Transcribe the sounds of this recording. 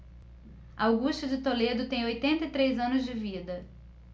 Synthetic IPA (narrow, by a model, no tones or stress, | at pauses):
awɡuʃt͡ʃɐd͡ʒɪt̪oled̪ʊt̪ẽj̃ojt̪ẽnt̪ɐit̪ɾejzɐ̃nʊzd͡ʒɪvid̪ɐ